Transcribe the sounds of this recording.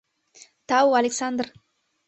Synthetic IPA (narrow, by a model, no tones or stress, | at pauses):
t̪awalʲeksand̪r